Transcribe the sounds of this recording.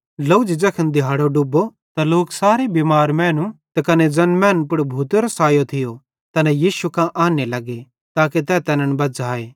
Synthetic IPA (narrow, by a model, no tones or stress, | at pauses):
loʊd͡ʒd͡ʒɐkʰənd̪ɪjɦaːɽoɖʊbo | t̪aloːksaːɾebiːmaːɾmɛ̃ːnũt̪ɐkɐned͡ʒɐnmɛːnpʊɽbʱuːt̪ɾɐsaːjot̪ʰɪjo | t̪ɐnɛjiːsukãʔaːnelɐɡe | t̪aːket̪ɛːt̪ɐnəɽ̃bɐd͡zaːeː